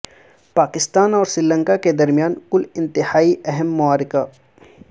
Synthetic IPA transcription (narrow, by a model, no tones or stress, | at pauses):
paːkɪst̪aːnɔːɾsɾɪlə̃ŋkaked̪ɐɾmijaːnkʊlɪ̃nt̪ɪhaːiʔɛɦɛmːʊaːɾɪka